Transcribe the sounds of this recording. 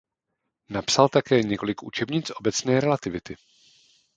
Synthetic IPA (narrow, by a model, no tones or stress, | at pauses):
napsalt̪akɛːɲɛko̞lɪkʔṵt͡ʃɛbɲɪt͡sʔo̞bɛt͡snɛːɾɛlat̪ɪvɪt̪ɪ